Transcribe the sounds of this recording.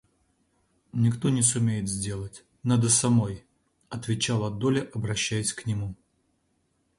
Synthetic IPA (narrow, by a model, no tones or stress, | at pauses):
nʲɪkt̪o̞nʲɪsʊmʲejɪt̪zʲdʲe̞lˠətʲ | nad̪əsɐmo̞j | ɐt̪vʲɪt͡ɕalˠɐd̪olʲɪʔɐbɾɐɕːæjɪsʲknʲɪmu